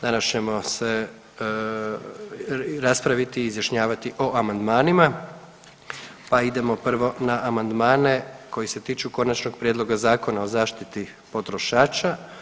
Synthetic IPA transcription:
d̪anast͡ʃe̞mo̞se̞ | ɾaspɾaʋit̪iːzjaʃɲaːʋat̪iʔo̞ʔamand̪maːnima | paid̪e̞mo̞pr̩ʋo̞naʔamand̪maːne̞ko̞jise̞t̪iːt͡ʃuko̞nat͡ʃnoɡ̚pɾjed̪lˠo̞ɡazaːko̞nao̞zaːʃt̪it̪i | po̞t̪ɾo̞ʃaːt͡ʃa

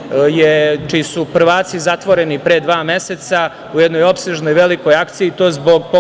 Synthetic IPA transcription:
jet͡ʃiisupr̩ʋaːt̪sizat̪ʋo̞ɾenipɾed̪ʋaːmje̞set̪sa | ujed̪no̞jo̞pseʒno̞jʋe̞liko̞jakt̪sijiːt̪o̞ːzbo̞ɡpo

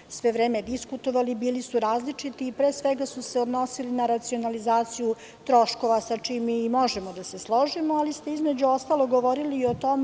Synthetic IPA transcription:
sʋeʋɾeːmed̪iskut̪o̞ʋalibiːlisuɾaːzlit͡ʂit̪iːpɾeːsʋeɡasuse̞o̞d̪no̞silinaɾat̪sio̞nalizaːt̪siju | t̪ɾo̞ʃko̞ʋasat͡ʂimimo̞ʒemod̪ase̞slˠo̞ʒimoalist̪eizmed͡ʑuo̞st̪alˠoɡo̞ʋo̞ɾiliːo̞t̪o̞me

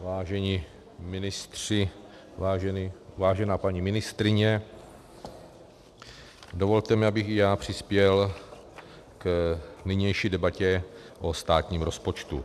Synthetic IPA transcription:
vaːʒɛɲi | mɪnɪst̪r̥ɪ | aːʒɛnivaːʒɛnaːpaɲimɪnɪst̪ɾɪɲɛ | do̞vo̞lt̪ɛmɪabɪxɪjaːpr̝̥ɪspjɛl | knɪɲɛjʃiːdɛbacɛʔost̪aːt̪ɲiːmɾo̞spo̞t͡ʃt̪ṵ

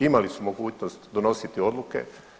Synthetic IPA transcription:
imalisumo̞ɡuːt͡ɕnost̪d̪ono̞sit̪io̞d̪luke̞̰

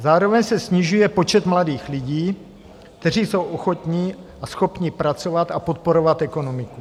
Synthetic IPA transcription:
zaːɾovɛɲsɛsɲɪʒujɛpot͡ʃɛt̪mladiːxlɪɟiː | kt̪ɛr̝iːsowʔoxot̪ɲi | asxopɲipɾat͡so̞vat̪apot̪̚poɾovat̪ɛko̞nomɪku

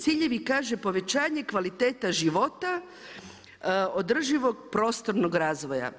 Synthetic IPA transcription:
t̪siʎe̞ʋikaːʒepo̞ʋe̞t͡ɕaːɲe̞kʋalit̪eːt̪aʒiʋo̞t̪a | o̞d̪r̩ʒiʋo̞ɡpɾo̞ːst̪o̞ɾnoɡɾaːzʋo̞ja̰

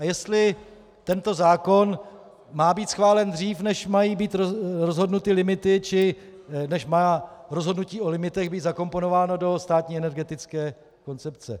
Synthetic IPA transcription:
ʔajɛst̪lɪ | t̪ɛnt̪o̞zaːko̞n | maːbiːt̪sxvaːlɛnd̪riːfnɛʃmajiːbiːt̪ɾozɦo̞dnut̪ɪlɪmɪt̪ɪt͡ʃɪnɛʃmaɾo̞zɦodnuciːʔo̞lɪmɪt̪ɛɣbiːt̪zako̞mpo̞no̞vaːno̞do̞st̪aːt̪ɲiːɛnɛɾɡɛt̪ɪt͡skɛː | ko̞nt͡sɛp̚t͡sɛ̰

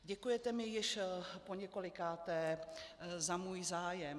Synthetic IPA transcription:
ɟɛkujɛt̪ɛmɪjɪʃpoɲɛko̞lɪkaːt̪ɛː | zamuːjzaːjɛm

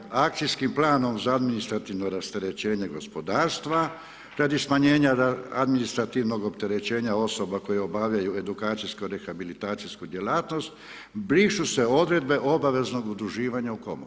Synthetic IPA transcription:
ak̪̚sijskimplaːno̞mzaad̪minist̪ɾat̪iʋnoɾast̪e̞ɾe̞t͡ɕe̞ːɲe̞ɡo̞spo̞d̪aːɾst̪ʋa | ɾad̪ismaɲe̞ːɲaaa̰d̪minist̪ɾat̪iʋno̞ɡo̞pt̪e̞ɾe̞t͡ɕe̞ːɲao̞so̞bako̞jeo̞baʋʎajue̞d̪ukaːt̪siskoɾexabilit̪aːt̪siskud̪je̞laːt̪no̞st̪ | bɾiːʃuse̞o̞d̪ɾe̞d̪be̞ʔo̞baʋe̞zno̞ɡud̪ɾuʒiːʋaɲauko̞̰mou

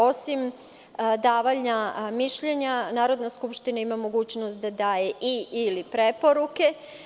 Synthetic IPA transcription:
o̞sim | d̪aːʋaʎɲamiʃʎeɲanaːɾo̞d̪naskupʃt̪inaimamo̞ɡuːt͡ɕnost̪̚d̪ad̪aːje̞ʔiːlipɾepo̞ɾuke̞

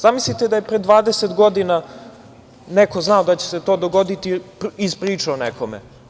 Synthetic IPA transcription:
zamislit̪ed̪ajepɾed̪ʋaːd̪eset̪ɡo̞d̪ina | nekoznaod̪at͡ɕe̥set̪o̞ːd̪oɡod̪it̪iizpɾiːt͡ʂeonekʰomḛ

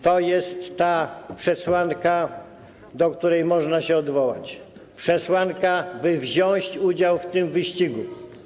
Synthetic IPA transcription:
t̪ɔjɛst̪ːapʂɛswaŋka | d̪ɔkt̪uɾɛjmɔʐnaɕɛɔd̪vɔwat͡ɕ | pʂɛswankabɘvʑɔ̃ɕt͡ɕud͡ʑawft̪ɪmvɘɕt͡ɕiɡu

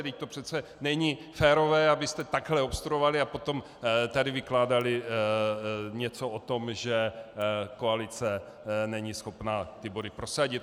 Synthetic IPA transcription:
ɾɪct̪opr̥ɛt̪t͡sɛnɛɲɪfɛːɾo̞vɛːabɪst̪ɛt̪aɡɦlɛopst̪ɾuovalɪapot̪o̞m | t̪adɪvɪklaːdalɪ | ɲɛt͡soot̪o̞mʒɛ | ko̞alɪt͡sɛ | nɛɲisxo̞pnaːt̪ɪbodɪpɾo̞saɟɪt̪̚

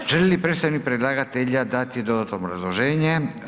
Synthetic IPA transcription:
ʒ̥elilipɾet̪st̪ajnik̚pɾed̪lˠaɡat̪eʎad̪at̪id̪od̪at̪obɾa̰zlˠoʒeːɲe

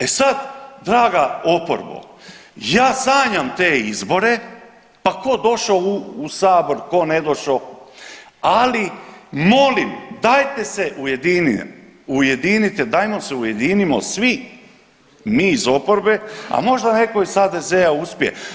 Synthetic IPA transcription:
e̞sad̪d̪ɾaːɡao̞po̰ɾbo̰ | jaːsaːɲamt̪e̞ːizbo̞ɾe̞ | pako̞d̪o̞ʃouːsaːbo̞ɾko̞ne̞d̪o̞ʃo | alimo̞limd̪ajt̪e̞se̞ʔuje̞d̪ini | uje̞d̪init̪ed̪ajmo̞seuje̞d̪inimo̰sʋi | miːizo̞po̞ɾbe̞a̰mo̞ʒd̪ane̞ko̞iz̥haːd̪e̞ze̞auspjḛ

